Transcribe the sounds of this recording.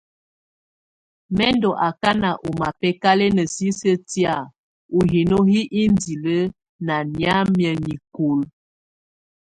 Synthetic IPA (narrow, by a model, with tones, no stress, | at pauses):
mɛ˦ndɔ˨ʔa˨ka˦na˨ʔo˨ma˨pɛ˦ka˦le˦nə˨si˦sə˦tja˨ | u˨ɦi˨no˦ɦi˦ʔi˦ndi˨lə˦ | na˨nja˦mjə˨ni˨ko˨l